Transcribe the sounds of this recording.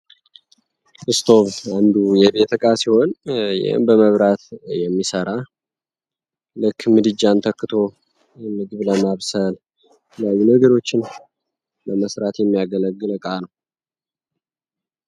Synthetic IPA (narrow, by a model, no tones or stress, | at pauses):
ʔɨst̪ʰo̞βand̪ujɛbe̞t̪ʰəkʼasiho̞njɪ̰hɨ̰mbəməβɾat̪jɛmːisəɾa | lɨkːmɨd̪ɨd͡ʒːant̪ʰəkːɨt̪ʰo̞ | mɨɡɨβləmaβsəl | ləjajːunəɡəɾo̞t͡ʃːɪn | bəməsɾat̪jɛmːijaɡələɡːɨlɨkʼanəw